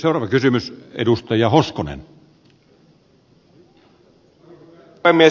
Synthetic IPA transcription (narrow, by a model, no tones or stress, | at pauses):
seowrɑːʋɑkysymysḛdust̪ɑjɑhoskonḛn | emːie